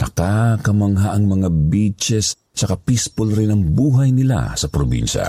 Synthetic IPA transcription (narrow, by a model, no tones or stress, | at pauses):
nɐkakɐmɐŋɦaʔɐŋmɐŋabit͡ʃɛs | t͡ʃɐkapispolɾɪnɐŋbuːɦɐjnɪla̰sɐpɾobḭnʃɐ̰